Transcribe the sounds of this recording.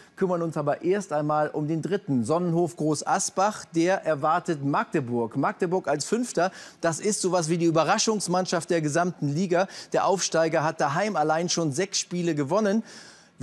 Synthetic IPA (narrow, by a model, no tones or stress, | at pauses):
kʰʏmɐnʊnsʔaːbɐʔeːɐstʔaɪnmaːlʔʊmdeːndʁɪtn̩zɔnənhoːfɡ̥ʁoːsʔasb̥aχd̥eːɐʔɛɐvaɐtətmak̚təbʊɐkmak̚təbʊɐkalsfʏnftɐd̥asɪstz̥oːvas̬v̥iːdiːyːbɐʁaʃʊŋsmanʃaft̚d̥eːɐɡəzamtn̩liːɡad̥eːɐʔaʊfʃtaɪɡɐɦat̚d̥aɦaɪmalaɪnʃoːnzɛksʃpiːləɡəvɔnən